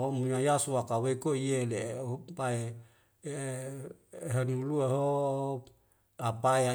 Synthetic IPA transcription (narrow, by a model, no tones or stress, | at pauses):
omuɲajasuakawekoielepae | ɦanulueɦo | apaea